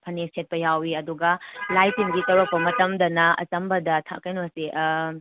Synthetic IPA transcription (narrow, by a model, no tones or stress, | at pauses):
pʰɐnistʰet̚pɐjawiɐduɡɐlajpʰiŋɡitɐwɾɐk̚pɐmɐtɐmdɐnɐɐ̰t͡ʃɐmbɐdɐtʰɐ̰kɐjnosiʔ